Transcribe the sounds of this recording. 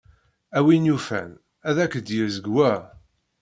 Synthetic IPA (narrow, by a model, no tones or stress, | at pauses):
æwinufæ̰n | æðækːəd̪jəɾzəɡwæ